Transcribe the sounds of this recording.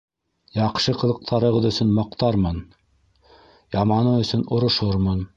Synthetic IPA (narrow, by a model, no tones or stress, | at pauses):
jɑqʃɤqɤ̆lˠɤ̆q̚t̪ʰɑɾɤ̆ʁɤðɵ̆sɵnmɑqt̪ɑɾmɤn | jɑmɑnɤɵ̆sɵnŏɾŏʃoɾmɤn